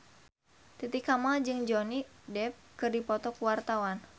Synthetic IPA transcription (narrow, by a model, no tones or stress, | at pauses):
t̪it̪ikamald͡ʒɨŋd͡ʒɔnidɛp̚kɨrdipɔt̪ɔkuwart̪awan